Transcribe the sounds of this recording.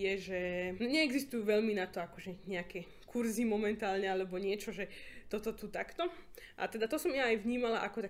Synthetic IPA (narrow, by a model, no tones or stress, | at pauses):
jɛʒɛɲɛːɡzist̪ujuːʋɛʎminat̪ɔakɔʒɛɲɛakɛ | kʰuɾzimɔmɛnt̪aːlɲɛalɛbɔɲɪɛt͡ʃɔʒɛt̪ɔt̪ɔt̪ut̪akt̪ɔʔa̰t̪ɛd̪at̪ɔsɔmjaːjʋɲiːmalaʔakɔt̪a